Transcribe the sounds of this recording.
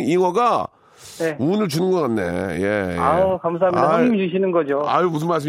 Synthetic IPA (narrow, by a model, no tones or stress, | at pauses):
iwʌɡa | neunɯɭt͡ɕunɯnɡʌk͈anːe̞̰je̞̰akamsʰaɦamɲidaaimiuɕ̬ʰinɯnɡʌd͡ʑoa̰jomus̬ʰɯnmas̬ɯm